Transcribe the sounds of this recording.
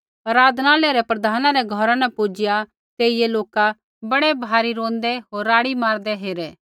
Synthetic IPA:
ɐɾaːd̪naːleɾɛpɾɐd̪ʱaːnãɾɛɡʱɔɾãnɛpuːd͡ʒɪja | t̪eːɪjeloːka | bɐɽɛbʱaːɾiɾõːnd̪ɛɦoːɾːaːɽimaːɾd̪ɛɦeːɾɛː

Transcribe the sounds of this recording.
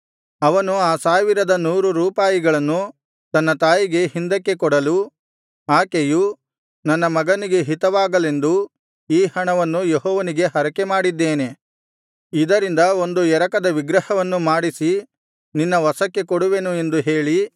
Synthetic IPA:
ɐʋɐnuaːsaːʋiɾɐd̪ɐnuːɾuɾuːpaːjiɡɐɭɐnːu | t̪ɐnːɐt̪aːjiɡe̞hind̪ɐkːe̞kɔɽɐlu | aːkeju | nɐnːɐmɐɡɐniɡe̞ɦit̪ɐʋaːɡɐle̞nd̪u | iːhɐɳɐʋɐnːujeɦɔːʋɐniɡe̞ɦɐɾɐkemaːɽid̪ːeːne̞ | id̪ɐɾind̪ɐo̞nd̪uɛɾɐkɐd̪ɐʋiɡɾɐhɐʋɐnːumaːɽisi | ninːɐʋɐsɐkːe̞kɔɽuʋe̞nue̞nd̪uɦe̞ːɭi

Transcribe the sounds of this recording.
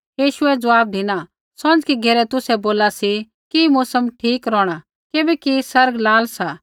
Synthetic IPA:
jiːʃʊɛd͡zɐʋaːb̚d̪ʱɪna | sɐ̃nd͡ʒkiɡʱeːɾɛt̪ʊsɛboːlasi | kimʊsəmʈʰiːkɾɔːɽ̃a | keːbɛkisɐɾɡlaːlsa

